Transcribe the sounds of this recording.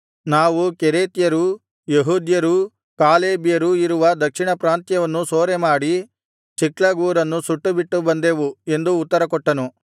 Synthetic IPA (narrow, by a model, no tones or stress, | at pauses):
naːʋukeɾeːt̪jɐɾu | jeɦuːd̪jɐɾu | kaːleːbijɐɾuiɾuʋɐd̪ɐkʂiɳɐpɾaːnt̪jɐʋɐnːusoːɾemaːɽi | t͡ʃiklɐɡuːɾɐnːusuʈːubiʈːubɐnd̪e̞ːʋue̞nd̪uːt̪ːɐɾɐkɔʈːɐnu